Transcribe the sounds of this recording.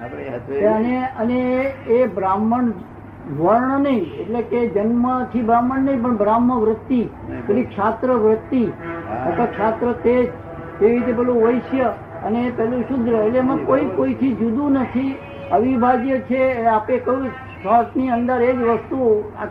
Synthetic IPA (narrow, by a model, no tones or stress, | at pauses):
əneəneː | bɾaməɳ | d͡ʒʋəɾɳənəĩeʈleked͡ʒənmət͡ʃʰibɾaməɳnəĩp̬əɳbɾamːəʋɾət̪ːi | keʈlikʃat̪ɾəʋɾət̪ːiək̪əkʃat̪ɾət̪ed͡ʒ | t̪eʋiɾit̪̬epɛlũʋəjʃjə | ənepɛlũʃud̪ʱɾəeʈleemãkoikoit̪ʰid͡ʒud̪ũnət̪ʰi | əʋibʱad͡ʒjət͡ʃʰeapekəjũ | saʈniənd̪əɾed͡ʒʋəst̪ua